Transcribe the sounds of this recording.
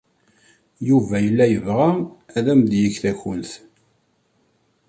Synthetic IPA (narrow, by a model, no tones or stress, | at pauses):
juvæjəlːæjəvʁææðæmd̪jəçθæçʊnθ